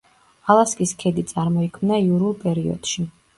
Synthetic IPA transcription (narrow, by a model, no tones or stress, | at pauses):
alˠaskʼiskʰɛd̪it̪sʼaɾmɔikʰmnaiuɾulˠpʼɛɾiɔ̰d̪̥ʃi